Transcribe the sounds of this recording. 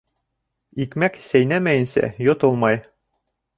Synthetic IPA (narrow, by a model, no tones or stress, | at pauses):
ikmæksæjnæmæjɘ̆nsæ̰jot̪olˠmɑj